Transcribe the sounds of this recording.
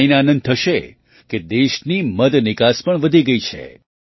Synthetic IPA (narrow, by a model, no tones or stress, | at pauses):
inanə̃nd̪̚t̪ʰəʃe | ked̪eʃniməd̪nɪkaspəɳʋəd̪ʱiɡəit͡ʃʰḛ